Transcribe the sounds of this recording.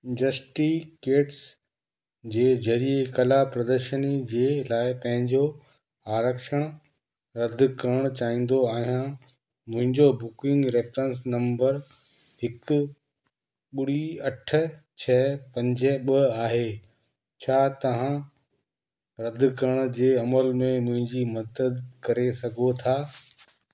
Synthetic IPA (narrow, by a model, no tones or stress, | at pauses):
ɪ̃ɖəsʈikeːʈs | d͡ʑeːd͡ʑɐɾiekɐlapɾɐd̪əɾʃənid͡ʑeːlaːɪpɐ̃ɦɪ̃ɲd͡ʑo | aːɾəkʃəɽ̃ | ɾɐd̪̆ʱkɐɾəɽ̃t͡ɕaːɦĩːn̆d̪oaːɦijã | mʊ̃ɦɪ̃ɲd͡ʑobʊkɪ̃ŋɡɾeːfɾə̃ns̬nɐ̃mbəɾ | ɦɪkʊ | ɓɪɽiɐʈ̆ʰt͡ɕʰɛpɐ̃ɲd͡ʑɛɓɐaːɦe | t͡ɕʰaːt̪ɐʋ̤ã | ɾɐd̪ʱkɐɾəɽ̃̆d͡ʑeːɐməlmẽmʊ̃ɦɪ̃ɲd͡ʑimɐd̪əd̪kɐɾesɐɡʱot̪ʰaː